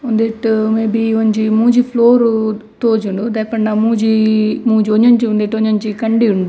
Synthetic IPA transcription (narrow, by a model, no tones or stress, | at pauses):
und̪eʈmeːbiʋoɲd͡ʒimuːd͡ʒipʰloːɾt̪oːd͡ʒuɳɖud̪ɐpːɐɳɖɐmuːd͡ʒimuːd͡ʒioɲoɲt͡ʃiund̪eʈoɲoɲt͡ʃikɐɳɖiuɳɖu